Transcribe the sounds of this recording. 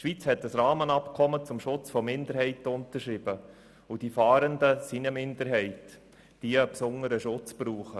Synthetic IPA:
ʃʋit͡shɛtəsɾɑːmənɑpkʰɔmət͡sʊmʃʊt͡sfɔmɪnd̪əɾhɛɪtʊntəɾʃɾib̥ə | ʊd̥ifɑːɾəndəsinəmɪndəɾɦɛɪt | d̥iəpsʊnəɾəʃʊt͡spɾuːχə

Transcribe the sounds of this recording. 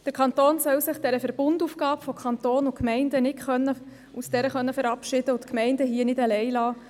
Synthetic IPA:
d̥əɾkʰɑnt̪oːnsœwsɪχd̥ɛɾəfɛɾb̥ʊndufɡ̥ɑːpfɔkʰχɑnt̪oːnʊkmɛɪndənɪtχœnːə | usd̥ɛɾəχœnːəfəɾɑpʃɪd̥əʊtkmɛɪndəɦiənɪdalɛɪlɑː

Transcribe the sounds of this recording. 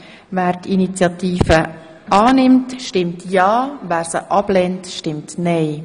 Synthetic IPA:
væːɾtʰinit͡sjɑt̪iːfə | ɑːnɪmtʃtɪmtʰjɑːvæːɾsəʔɑb̥lɛntʃtɪmtnɛɪ

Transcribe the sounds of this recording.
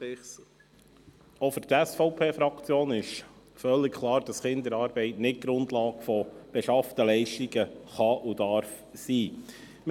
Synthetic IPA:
ɔfyt̪æsfɔʊpʰeːfɾɑkt͡sjoːnɪʃ | fœlːɪkkʰlɑːɾd̥ɑsχɪnd̪əɾɑːɾbɛɪtnɪt̚ɡ̥ɾʊndlɑːɡ̥fɔb̥ɛʃɑft̪əlɛɪʃtiɡəχɑʔud̥ɑɾf | siː

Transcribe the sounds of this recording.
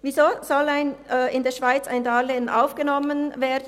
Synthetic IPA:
vizoːz̥ɔlaɪnɛːɪndeːɐʃv̥aɪt͡sa̰ɪndɑːlenʔa̰ʊfɡ̥ənɔmənveːd

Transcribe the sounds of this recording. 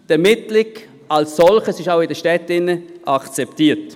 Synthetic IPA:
d̥ɛɐmɪtlɪk | alsːɔlχəsɪʃaʊɪdəʃtɛtːɪnːəʔakt͡sɛptiːt

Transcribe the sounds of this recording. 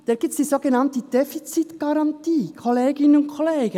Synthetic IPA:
d̥ɛːɾɡ̥iːp̚t͡sd̥izoɡenɑntəd̥ɛfit͡sitɡ̥ɑɾɑntiːkʰoleːɡɪnənʊntkʰoleːɡə

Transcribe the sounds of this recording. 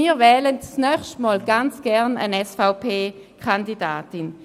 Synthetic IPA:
iːʁvɛːlənt͡snœχʃtmɔːlɡ̥ant͡sɡ̥ɛʁnə̰nɛsfaʊpʰeː | kʰandida̰ːtɪn

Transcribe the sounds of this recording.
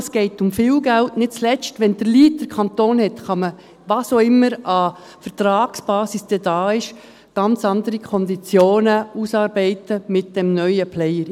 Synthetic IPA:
sɡ̥ɛɪtʊmfɪːlɡæltnɪt̚t͡slɛt͡stʋɛnd̥əliːt̚d̥əɾkʰɑntoːnhɛtχɑmə | ʋɑːsoɪmːəɾɑ | fəɾtɾɑːksb̥ɑːsisd̥ɛd̥ɑːɪʃ | ɡ̥ɑnt͡sɑndəɾikʰɔnd̪it͡sjoːnəuːsɑːɾbɛɪtəmɪt̚d̥ɛmnœʏəplɛjəɾ

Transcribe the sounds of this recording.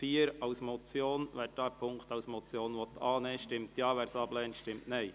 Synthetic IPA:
fiːəɾaʊsmɔt͡sjoːnʋɛːd̥ɑːpʰʊŋktɑʊsmɔt͡sjoːnʋɔt̪ʰɑːneːʃtɪmt̪jɑːʋɛːɾsɑb̥lɛːntʃtɪmtnɛɪ

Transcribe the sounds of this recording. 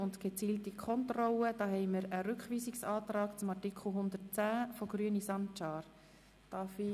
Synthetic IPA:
ʊntɡ̥et͡siːltikʰɔnt̪rɔləd̥ɑːɦɛɪməɾəɾʏkχʋiːsiksɑːt̪rɑːkt͡sʊmɑrtikʰl̩ˠɦʊnd̪ət͡sæːfɔɡɾyənisɑnt͡ʃɑːɾ | d̥ɑfi

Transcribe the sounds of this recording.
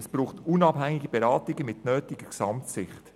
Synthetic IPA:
sb̥ɾuːχtunɑb̥ɦæŋɪɡibɛɾɑːtɪɡəmɪtnœːtɪɡ̥əksɑmtsɪχt

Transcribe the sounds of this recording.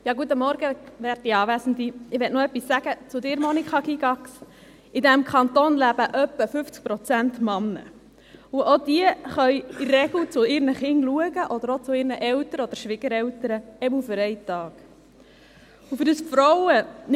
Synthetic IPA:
jɑːɡuət̪̬ːəmɔɾɡəʋæːɾt̚iɑːʋæsən̩d̪iɪʋɛtnoœpːisːæɡət͡sʊd̪ɪːɾmɔnikχɑkiɡɑks | ʔɪdæmkʰɑnt̪oːnlæb̥əʔœpːəfʏft͡sk̚pɾɔt͡sæntmɑnːə̰ | uʔod̥̪iəχœjirːɛɡl̩t͡sʊɪɾnəχɪnluəɡəʔɔd̪əɾot͡sʊɪːɾnəʔɛwtəɾəɔd̪əɾʃʋɪɡ̥əɾɛwtəɾəɛbl̩fʏɾɛɪtɑːɡ | ufʏɾdəsfɾɔwən

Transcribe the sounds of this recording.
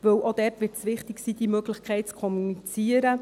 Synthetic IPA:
ʋɵwʔod̥ɛrtʋɪɾtsʋɪχtɪksiːd̥imøɡlɪχkʰɛɪt̚t͡skʰɔmunit͡siːəɾə

